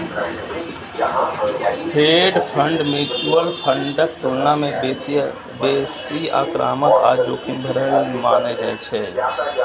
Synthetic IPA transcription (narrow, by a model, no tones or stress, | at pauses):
heɖpʰə̃ɳɖmit͡ʃuəlpʰəɳɖəkt̪oɾnamẽbes | besia̰ːkɾa̰ːmət̪a̰ːd͡ʒoːkʰĩmbʱeɾəɦlmaːned͡ʒaːet͡ʃʰɛ